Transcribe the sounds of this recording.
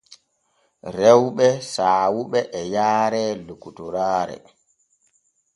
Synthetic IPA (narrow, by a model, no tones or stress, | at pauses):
ɾɛwɓɛsaːwuɓɛʔːjaːɾɛlukutuɾaːɾɛ̰